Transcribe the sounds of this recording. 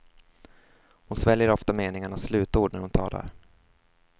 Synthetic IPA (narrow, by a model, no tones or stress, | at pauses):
hʊnsvɛljəɾɔft̪ameːnɪŋaɳaslʉ̟ːt̪uːɖɳæɾhʊnt̪ʰɑ̰ːla̰ɾ